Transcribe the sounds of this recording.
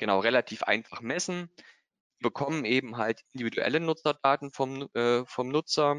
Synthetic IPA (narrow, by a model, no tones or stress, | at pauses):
ɡ̥ənaʊʁelatʰiːfʔa̰ɪnfaχmɛsn̩ | ziːbəkʰɔmənʔeːbm̩ɦaltʔɪndividuʔɛ̰lənʊt͡sɐdaːtn̩fɔmʔɛːfɔmnʊt͡sɐ